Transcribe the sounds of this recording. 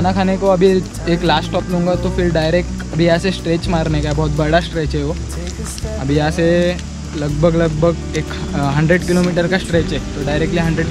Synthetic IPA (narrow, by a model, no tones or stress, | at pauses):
kʰaːnakʰaːnekoɐbʱi | eːklaːsʈʈɔːplɦũːŋɡat̪ofɪɾɖaːɪɾeːk̚ʈɐbʱijɐɦãsesʈɾeːt͡ʃmaːɾnekaɛbɔɦʊt̪̚bɐɽasʈɾeːt͡ʃɦɛɦoː | ɐbʱijɐãse | lɐɡbʱəɡlɐɡ̚bʱəɡ | eːk | ɦɐ̃ɳɖɾeɖkɪlomiːʈəɾkasʈɾeːt͡ʃɦɛːt̪oɖaːɪɾek̚ʈliɦɐ̃ɳɖɾeɖ